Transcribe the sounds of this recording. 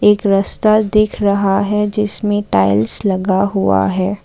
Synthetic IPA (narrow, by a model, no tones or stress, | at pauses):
eːkɾɐst̪ad̪ɪːkʰɾɐɦaɦɛd͡ʒɪsmẽʈaːɪlslɐɡaɦua̰ɦɛː